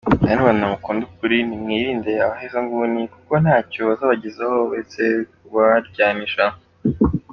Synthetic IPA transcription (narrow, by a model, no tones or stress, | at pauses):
nanuβannamukuːndukuɾinimŋiːɾiːndeaβahezaŋɡunikuko̞nhaːcoβazaβaɟizehowese | βaɾɟaːniʃa